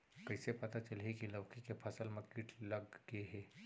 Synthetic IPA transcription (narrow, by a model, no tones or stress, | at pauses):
kɐɪsepɐt̪at͡ʃəlɦekilɐʋkekepʰɐsəlmẽkiːʈʰlɐɡɡeɦɛː